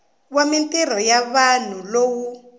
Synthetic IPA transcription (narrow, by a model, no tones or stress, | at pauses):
wamintɛr̤ɔjaβan̤ulowu